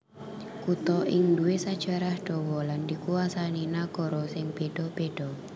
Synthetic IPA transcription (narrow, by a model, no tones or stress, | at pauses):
kut̪ɔʔɪŋduwesad̥ʒ̥a̤ɾahɖ̥ɔwɔlandikuasaninakɔɾɔsɪŋb̥eɖ̥ɔb̥eɖ̥ɔ